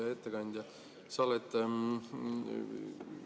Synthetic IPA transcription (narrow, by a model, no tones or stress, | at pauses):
ɑe̞t̪ːekɑnʲd̪jɑ | sɑlet̪ːˑ